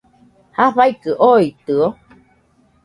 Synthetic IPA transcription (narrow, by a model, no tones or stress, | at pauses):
haɸaikɯʔoit̪ɯo